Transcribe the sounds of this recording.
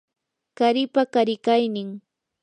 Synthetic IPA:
kaɾɪpakaɾɪkajnɪŋ

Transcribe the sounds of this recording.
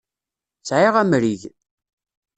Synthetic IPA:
t͡sʕiʁæmɾiʝ

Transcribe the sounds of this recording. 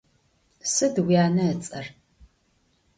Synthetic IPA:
sɨdwijaːnɐːt͡sʼɐr

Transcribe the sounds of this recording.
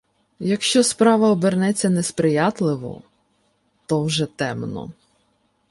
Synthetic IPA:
jɐkʃt͡ʃɔspɾɑʋɐɔbeɾnɛt͡sʲːɐnespɾɪjɑt̪lˠɪʋɔ̰ | t̪ɔwʒɛt̪ɛmnɔ̰

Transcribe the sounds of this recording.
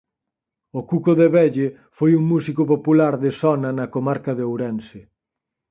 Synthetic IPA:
ʊkukoðeβɛʎe | fojuŋmusikopopulaɾðɪsɔnɐnɐkomaɾkɐðeowɾɛnsɪ

